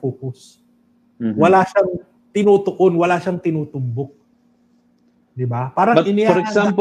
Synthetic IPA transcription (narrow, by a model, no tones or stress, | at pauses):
oːkʊs | wɐlaʃaŋ | t̪ɪnuːt̪oʔonwɐlaːʃaŋt̪ɪnuːt̪ʊmbok̚ | d̪ɪbapaːɾɐŋɪnɪɔɾɛkssamp